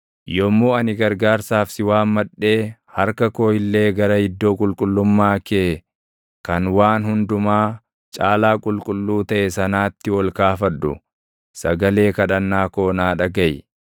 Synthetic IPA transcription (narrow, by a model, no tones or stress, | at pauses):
jɔmːoːɐnɪɡɐɾɡaːɾsaːfsɪwaːmmɐᶑːe̞ːhɐɾkɐko̞ːjɪlːe̞ːɡɐɾɐhɪd̪ːo̞ːkʼʊlkʼʊlːʊmːaːke | kɐnwaːnhʊnd̪ʊmaː | t͡ʃʼaːlaːkʼʊlkʼʊlːuːt̪ɐʔɛsɐnaːt̪ːɪwɔlkaːfɐᶑːʊ̰ | sɐɡɐle̞ːkɐᶑɐnːaːko̞ːnaːᶑɐɡɐj